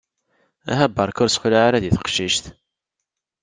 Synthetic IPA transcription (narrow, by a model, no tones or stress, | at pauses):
æ̰ɦæbːɑɾˤkʊɾsxlaʕaɾæðiθə̥qʃiʃθ